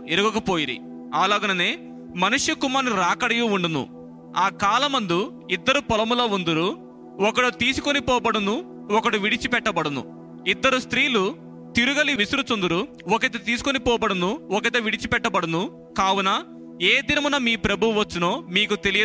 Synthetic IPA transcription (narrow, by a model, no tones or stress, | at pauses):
eɾuɡɐkɐpoːjiɾḭ | aːlaːɡɐnɐneː | mɐnuʂjukumaːniɾaːkɐɽɐjuuɳɖunṵ | aːkaːlɐmɐnd̪u | id̪ːɐɾupɔlɐmuloːund̪uɾu | ɔkɐɽut̪iːsu̥konipɔːbɐɽunu | ɔkɐɽuʋiɽit͡ʃipɛʈːɐbɐɽunṵ | id̪ːɐɾust̪ɾiːlu | t̪iɾuɡɐliʋisuɾut͡ʃond̪uɾu | ɔkɐt̪ɐt̪iːsu̥konipɔːbɐɽunuɔk̬ɐt̪̬ɐʋiɽit͡ʃipɛʈːɐbɐɽunu | kaːwunɐ | e̞ːd̪inɐmɐnɐmiːpɾɐbʱuʋɐt͡ʃːinoːmiːkut̪elijɐ